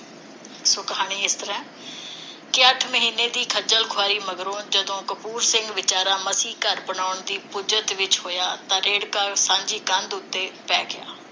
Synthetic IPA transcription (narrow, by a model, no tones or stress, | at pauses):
soːkəɦaːɽ̃iːɪst̪əɾɛ̃ː | kɪəʈʰməɦiːneːd̪iːkʰəd͡ʒəlkʰwaːɾiːməɡɾõːd͡ʒəd̪õːkəpuːɾsɪ̃ŋɡʋɪt͡ʃaːɾãːməsiːkəɾbənaːʊɳd̪iːpʊd͡ʒət̪ʋɪt͡ʃɦoːjaːt̪ãːɾeːɽkaːsãːɲd͡ʒiːkə̃nd̪ʊt̪ːeːpɛːɡɪja̰ː